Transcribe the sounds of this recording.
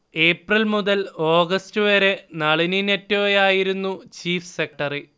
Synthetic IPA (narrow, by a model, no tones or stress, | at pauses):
e̞ːprilmuðɐlo̞ːɡɐstɨʋeːɾenɐɭininetːoːɐjaːjiɾunːut͡ɕiːfse̞k̚ʈɐrɨ